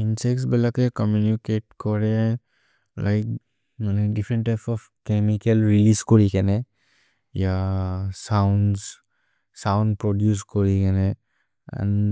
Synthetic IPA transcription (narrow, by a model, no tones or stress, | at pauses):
insɛk̚sbɛlakɛkɔmjunikeʈ̚kɔɹɛ | lʔajk̚ | manɛdifʰɾɛ̃nʈːajpsɔf | kemikɛlɹiliskɔɹikɛnɛ | jasawns | sawndpɹɔdjuskɔɹikɛnɛ | ã̰n